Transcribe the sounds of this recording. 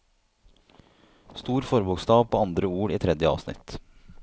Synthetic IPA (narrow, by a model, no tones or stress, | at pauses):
st̪uːɾfɔɾbʊkst̪ɑːʋpʰoːɑnd̪ɾəuːɾiːt̪ʰɾɛd̪jəɑ̰ʋsnɪ̰t̪